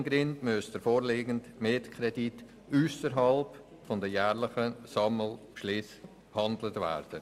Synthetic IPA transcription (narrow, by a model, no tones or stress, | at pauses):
nɡɾɪndmysd̥əɾfoːɾleːɡəntmeːtkʰɾɛdit | yːsəɾɦɑlp | fɔndəjæːɾlɪχəsɑml̩ | ʃlɪs | hɑndlətvɛ̰ɾd̥ə